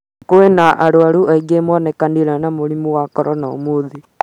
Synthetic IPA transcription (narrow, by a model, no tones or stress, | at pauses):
kowenaʔaɾoaɾuʔaiɡemɔnɛkaniɾanamoɾimuwakɔɾɔnao̰moði